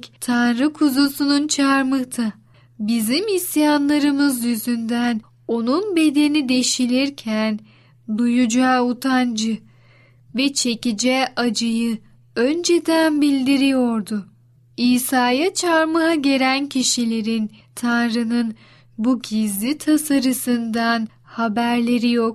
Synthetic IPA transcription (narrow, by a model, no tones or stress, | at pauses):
t̪ʰanɾɯkʰuzusununt͡ʃʰaɾmɯht̪ʰa | bizimisjanlˠaɾɯmɯzjyzynd̪æn | o̞nunbe̞d̪e̞nid̪e̞ʃilʲiɾcʰæn | d̪ujud͡ʒaːut̪ʰand͡ʒɯ | vɛt͡ʃʰe̞cid͡ʒɛad͡ʒɯjɯ | ønd͡ʒed̪ænbilʲd̪iɾijoɾd̪ʊ | iːsaːjat͡ʃʰaɾmaɦaɟe̞ɾæncʰiʃilʲe̞ɾint̪ʰanɾɯnɯn | buɟizlʲit̪ʰasaɾɯsɯnd̪an | habæɾlʲe̞ɾijok̚